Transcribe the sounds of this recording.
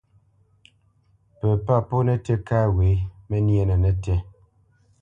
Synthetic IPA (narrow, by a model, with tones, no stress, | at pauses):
pɛ˨pa˦˨po˦nɛ˦tɛ˦kaː˦we˨˦mɛ˦njɛ˦˨nɛ˨nɛ˦tɛ˦